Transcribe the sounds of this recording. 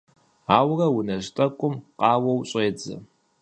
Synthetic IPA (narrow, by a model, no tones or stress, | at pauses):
aːwrɐwʊnɐɕtʼɐkʷʼʊmqɑːwɐwɕʼeːd͡zɐ̰